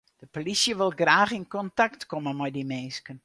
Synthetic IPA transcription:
d̥əpolisjəʋɪlˠɡraːxɪnkɔntaktkɔmənmɔjdimeːskən

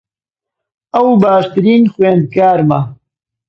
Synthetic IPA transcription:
ɐwbaːʃt̪ɨɾiːnxweːnd̪̚kaːɾmɐ

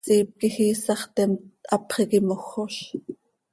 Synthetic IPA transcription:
siːp̚kixiːsɑχt̪emt̪ɑpχeɣimoxːoʃ

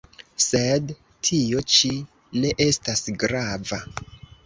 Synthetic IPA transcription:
se̞d | tʰio̞t͡ʃi | ne̞ʔe̞stasɡɾava

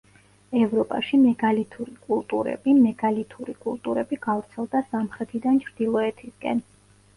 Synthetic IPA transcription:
ɛvɾɔpʼa̰ʃimɛɡalit̪ʰuɾikʼulˠt̪ʼuɾɛ̰bimɛɡalit̪ʰuɾikʼulˠt̪ʼuɾɛbiɡ̥avɾt̪sʰɛlˠd̪asamχɾɛt̪ʰid̪ant͡ʃʰɾd̪̥ilˠɔɛt̪ʰiskʼɛ̰n

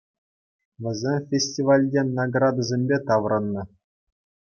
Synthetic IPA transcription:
ʋʲɘ̆zʲemʲfʲesʲtʲiʋɑlʲdʲenaɡrɑd̪azʲemʲbʲet̪ɑʋɾɤ̆nːɤ̆

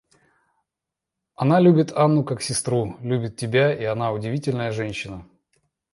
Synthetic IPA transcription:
ɐnalʲubʲɪt̪ʰanːʊkaksʲɪst̪ɾulʲubʲɪt̪̚ʲtʲɪbʲaiɐn̪aʊdʲɪvʲitʲɪlʲnəjəʐɛnʲɕːɪnə

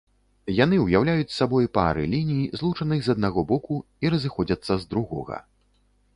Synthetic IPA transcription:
jan̪ɨwjawlʲajut͡sʲsːabɔjpa̰ɾɨ̰lʲinʲijizlˠut͡ʂɐnɨxzɐd̪̚naɣɔbɔku | iɾɐzɨxɔd͡zʲɐt̪sːɐzd̪ɾuɣɔ̰ɣɐ̰

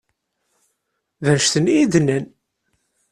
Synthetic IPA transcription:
ðæʃθənijiðnæn

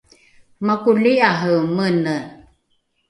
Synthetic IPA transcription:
makuliaɦəmənə

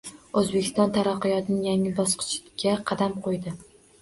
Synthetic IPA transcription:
ɵzbekʲʰɪ̥st̪ɒnt̪ʰaɾaqːɨjɒt̪ʰɪnɪŋjaŋɪlbɒsqʰɨ̥t͡ʃɡʲaqʰɑd̪amqʰojd̪ɪ

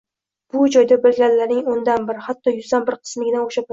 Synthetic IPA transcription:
b̥ʊd͡ʒɒjd̪abɪlɡʲanlaɾnɪŋond̪anbɪɾɪhat̪ʰːɒjʊzd̪anbɪɾqʰɨ̥smɪɡʲɪnaoʃa

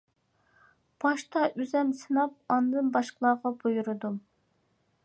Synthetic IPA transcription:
b̥ɑʃt̪ʰɑʔyzɛmsɨnɑp̚ɑnɨd̪ɨnbɑʃqəlˠɑːʁɑbujuɾɨd̪u

